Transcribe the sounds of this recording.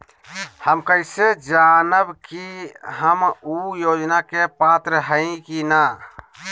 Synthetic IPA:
həmkəɪsed͡ʒanəbkiɦəmujoːd͡ʒnakepat̪ɾəɦəĩkina

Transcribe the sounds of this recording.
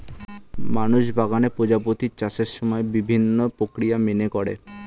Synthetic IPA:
manuʃbʱaɡanepod͡ʑapot̪it͡ɕaʃeɾʃɔmɔebibʱinːopɾokɾijaminekɔɽḛ

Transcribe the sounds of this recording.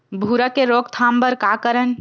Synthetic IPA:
bʱuɾakeɾoɡ̚t̪ʰambəɾkakəɾən

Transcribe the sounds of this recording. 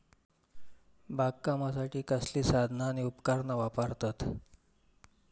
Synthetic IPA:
baɡ̚kamasaʈiːkəsliːsad̪ʱnaːɽ̃iupkaɾnaʋapəɾt̪at̪

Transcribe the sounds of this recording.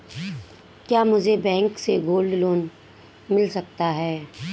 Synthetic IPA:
kjaːmʊd͡ʒʱebɛ̃ːŋkseɡoːlɖloːn | mɪlsɐk̚t̪aɦɛː

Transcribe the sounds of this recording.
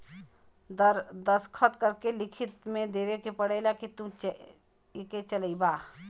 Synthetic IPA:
d̪əɾd̪əskʰət̪kɐɾkelɪkʰɪt̪mẽd̪eːʋekepɐɽelakit̪ũ | ɪket͡ʃələibaː

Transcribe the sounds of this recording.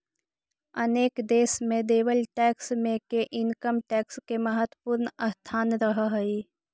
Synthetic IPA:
əneːkd̪eːsmẽd̪eːwəlʈɛːksmẽkeʔɪnkəmʈɛːkskeməɦət̪wəpuːɾnəst̪ʰaːnɾəɦəɦəi

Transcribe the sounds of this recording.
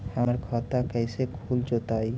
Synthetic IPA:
haaɾkʰɔt̪akɛjsekʰult͡ʃot̪aj

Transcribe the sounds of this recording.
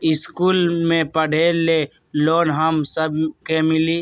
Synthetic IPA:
ɪskuːlmẽpəɽ̤ʱeːle | loːnɦəmsəbʱkemɪliː

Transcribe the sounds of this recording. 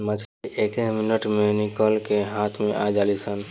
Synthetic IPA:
mət͡ʃʰekeminəʈmenikəlkeɦat̪ʰmẽʔad͡ʒalisən

